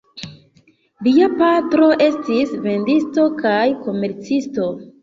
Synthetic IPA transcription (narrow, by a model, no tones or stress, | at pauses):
liapatɾo̞ʔe̞stisve̞ndisto̞kajko̞me̞ɾt͡sisto̞